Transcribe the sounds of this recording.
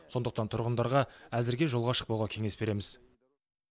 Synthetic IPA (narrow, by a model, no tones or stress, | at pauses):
so̞nd̪əq̚t̪ɑnt̪ʰʊɾʁənd̪ɑɾʁɑæzɪɾɡʲe̞ʒo̞lˠʁɑʃə̥q̚pɑwʁɑkʲʰe̞ŋe̞sbe̞ɾe̞mɪz